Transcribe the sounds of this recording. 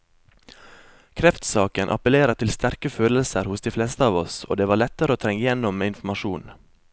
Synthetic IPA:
kʰɾɛft̪sɑːkənʔɑ̰pəleːɾət̪ʰɪlst̪æɾkəføːləlsəɾhʊsd̪iːflɛst̪əɑːʋɔso̰ːd̪eːʋɑːɭɛt̪ːəɾəoːt̪ʰɾɛŋːəjɛnɔmɪnfm̩ɑʃuːn

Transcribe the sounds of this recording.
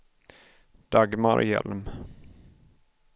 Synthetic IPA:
d̪̥aɡmaɾjɛ̰lm

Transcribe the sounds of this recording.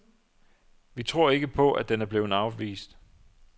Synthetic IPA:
ʋit͡sʰʁo̝ɐ̰e̝ɡ̥əpʰɔ̽ʔæd̥enæɐb̥le̝ːð̩ˠɑ̈ʊʋḭːsd̥

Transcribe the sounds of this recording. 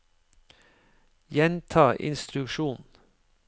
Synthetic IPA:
jɛnt̪ʰɑːʔɪ̰nst̪ɾʉkʃuːn

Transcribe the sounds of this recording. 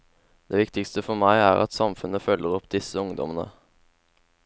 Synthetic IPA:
d̪̥eːʋɪkt̪ɪkst̪əfɔɾmæɪæ̰ːʁɑ̰t̪sɑmfʉnəfœlːəʁɔpd̪ɪsəʊŋd̪ɔ̰mənə̰

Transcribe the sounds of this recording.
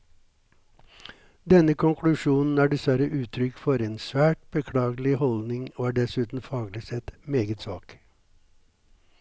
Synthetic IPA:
d̪ɛnəkʰʊŋkʰlʉʃuːnn̩æːɖɛsʋæɾəʔʉːt̪ʰɾʏkfɔɾeːnsʋæːʈ̚b̥əkʰɽɑːɡlɪhɔld̪nɪŋoːæːɖɛsʉːt̪n̩fɑːɡlɪsɛt̪meːɡət̪sɑːk

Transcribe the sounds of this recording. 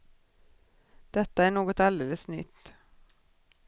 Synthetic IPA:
d̪̥ɛt̪ːəæːɳoːɡɔt̪ɑld̪eːləsnʏ̰t̪ː

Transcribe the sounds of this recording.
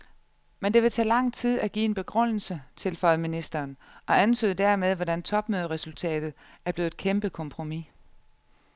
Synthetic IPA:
mend̥e̝ʋe̝t͡sʰɛ̰ːlɑ̈ŋ̰t͡sʰið̰ˠæɡ̥ḭːe̝nb̥e̝ɡ̥ʁɔn̰l̩sət͡sʰe̝lfɒ̽ɪðˠminisd̥ɐːnʔɒ̽ænt͡sʰø̰ːðˠd̥æɐmeð̞ˠʋɒɾænt͡sʰɒ̽b̥møːð̞ˠəʁɛsult͡sʰɛ̰ːd̥ð̩ˠ | æɐb̥le̝ːð̩ˠð̥ˠkʰemb̥əkʰɒ̽mpʰʁo̝mi

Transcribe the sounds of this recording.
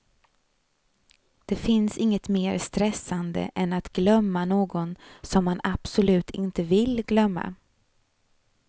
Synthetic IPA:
d̪̥ɛfɪnsɪŋːət̪meːɾst̪ɾɛsːand̪ə̰ʔɛnat̪ɡlœmːanoːɡɔnsɔmːanab̥sʊlʉ̟ːt̪ʰɪnt̪əvɪlɡlœmːa̰

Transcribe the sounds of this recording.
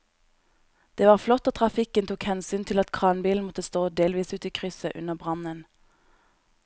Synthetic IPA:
d̪̥eːʋɑːʁflɔt̪oːt̪ʰʁɑfɪkənt̪ʰuːkhɛnsyːnt̪ʰɪlɑt̪kʰʁɑːnbiːln̩mɔt̪əst̪oːd̪eːlʋiːsʉːt̪iːkʰʁʏsəʔʉ̰nəʁbʁɑnən

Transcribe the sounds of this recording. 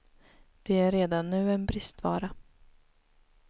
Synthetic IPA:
d̪̥ɛæɾeːd̪anːʉ̟ːɛnbɾɪst̪vɑ̰ːɾa

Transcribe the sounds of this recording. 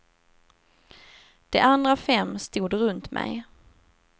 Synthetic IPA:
d̪̥ɛʔand̪ɾafɛmːst̪uːd̪ɾɵnt̪mʔɛ̰j

